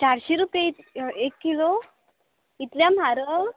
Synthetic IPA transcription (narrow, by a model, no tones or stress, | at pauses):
t͡ɕaɾɕeɾupjeiekːilo | it̪ljam̤aɾə